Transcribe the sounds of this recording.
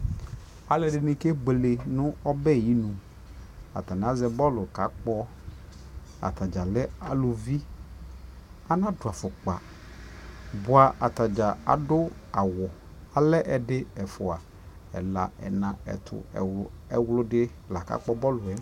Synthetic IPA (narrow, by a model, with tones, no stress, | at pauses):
a˨lɛ˨ɖɪ˨nɪ̃˨ke˦ɡ͡be˨le˨nʊ̃˦ɔ˦bɛ˦˨ji˦nũ˨ | a̰˨t̪a˨n˨a˦zɛ˦bɔ˦lʊ˨ka˨˦k͡pɔ˦ | a̰˨t̪a˨d͡ʒa˨lɛ˦a˨lʊ˨vi˦ | a˦nã˦dʊ˨a˨fʊ˨k͡pa̰˨ | bʊ˦a˨ʔa˨t̪a˨d͡ʒa˨a̰˨dʊ˦a˨wɔ˨ | a˨lɛ˦ʔɛ˨ɖɪ˦ɛ˨fʊ˨a˨ | ɛ̰˨la̰˨ɛ̰˨nã˨ɛ̰˨t̪ʰʊ̰˨ɛ˦wlʊ˦ɖɪ˦˨la˨ka̰˦k͡pɔ˦bɔ˦lʊ˨ɛ˦